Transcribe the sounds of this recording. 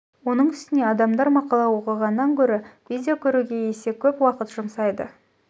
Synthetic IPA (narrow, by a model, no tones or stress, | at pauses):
wo̞nəɴʏst̪ɪne̞ɑd̪ɑmd̪ɑɾmɑqɑlˠɑwo̞qəʁɑnəːɑŋkʲʰɵɾɪvʲidʲejokʲʰɵɾuɡʲe̞je̞se̞kʲʰɵpwɑqət̪ʒʊmsɑjd̪ə